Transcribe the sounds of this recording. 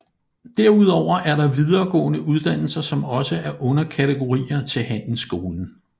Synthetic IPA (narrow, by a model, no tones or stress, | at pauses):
d̥eɐ̰uð̞ˠɒʊ̰ɐʔæɐɾɑ̈ʋið̞ˠɐːɡ̥ɔ̰̽ːnəʔuð̞ˠd̥æn̰l̩sɐsɒ̽mɒ̽səæɐʔɔ̽nɐkʰæt͡sʰeɡ̥o̝ʁḭːɐt͡sʰe̝lɦæn̰n̩sɡ̥o̝ːln̩